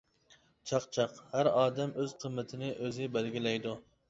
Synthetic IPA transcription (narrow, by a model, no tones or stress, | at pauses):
t͡ʃʰɑqt͡ʃʰɑqhæɾɑːd̪ɛmøz̥qʰəmːɪt̪ʰɪnɪʔøzɪbɛlɡʲilɛjd̪u